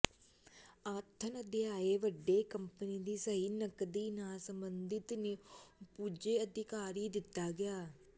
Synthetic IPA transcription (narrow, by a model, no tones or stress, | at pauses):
aːt̪ʰənəd̪eaːeːʋəɖːeːkəmpəniːd̪iːsəɦiːnəkd̪iːnaːsəmbənd̪ɪt̪neːpuːd͡ʒeːəd̪ɪkaːɾiːd̪ɪt̪ːaːɡɪjaː